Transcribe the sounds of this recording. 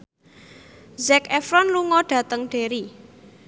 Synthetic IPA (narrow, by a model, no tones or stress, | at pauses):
zɛkɛfɾɔnluŋɔɖ̥ä̤t̪əŋɖ̥e̤ɾi